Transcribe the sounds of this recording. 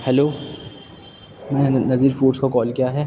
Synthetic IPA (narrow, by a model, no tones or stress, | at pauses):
hɛloː | mɛ̃ːnenɐziːɾfuːɾskakɔːlkijaɦɛː